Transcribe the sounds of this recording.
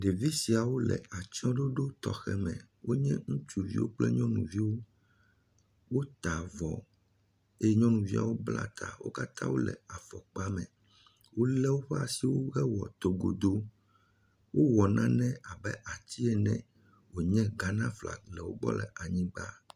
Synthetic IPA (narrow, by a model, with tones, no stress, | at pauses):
ɖe˨vi˦si˨a˨wo˦lɛ̰˨a˨t͡ʃɔ̃˦ɖo˦ɖo˦t̪ɔ˨xɛ˦mɛ̰̃˨ | wo˦ɲɛ̃˦ŋũ˦t͡ʃu˨vḭ˦wo̰˦k͡plɛ˦ɲɔ̃˦nũ˨vi˦wo˦ | wo˦t̪a˨vɔ˨ | e˦jɲɔ̃˦nũ˨vi˦a̰˨wo˦bla̰˦t̪ʰa̰˨wo̰˦ka˦t̪ʰã̰˦wo̰˦lɛ̰˨a˨fɔ˨k͡pa˦mɛ̰̃˨ | wo˦lɛ˦wo˦ɸɛ˦a˨si˨wo˦ɣɛ˦wɔ˨t̪o˨ɡo˨d̪o˦ | wʔo˦wɔ˨nʔã˦nɛ̃˦a˨bɛ˦ʔa˨t͡ɕ̪i˦ɛ˦nɛ̰̃˨ | wo˨ɲɛ̃˦ɡa˦nã˦fla̰˨lɛ˨wo̰˦ɡ͡bɔ̰˦lɛ˨ʔa˨ɲĩ˦ɡ͡ba˦